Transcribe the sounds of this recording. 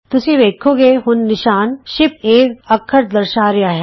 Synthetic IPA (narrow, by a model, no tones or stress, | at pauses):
t̪ʊseʋeːkʰoɡeːɦʊnːɪʃaːnʃɪpeːkɐkʰːəɾd̪ɐɾʃaːɾjaːɦɛː